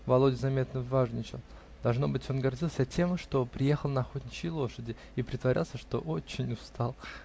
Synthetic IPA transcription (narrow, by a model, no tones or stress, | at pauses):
vɐlˠo̞dʲɪzɐmʲe̞t̪nəvːaʐnʲɪt͡ɕɪ̰l | d̪̥ɐlˠʐno̞bɨtʲo̞nɡɐrdʲilˠsʲətʲe̞mʂt̪o̞pɾʲɪje̞xəlˠnɐɐxo̞t̪ʲnʲɪt͡ɕɪjlˠo̞ʂədʲɪ | ipɾʲɪt̪vɐɾʲʔa̰lˠsʲəʂt̪o̞̰ʔo̞t͡ɕːɪnʲʊst̪ɑlˠ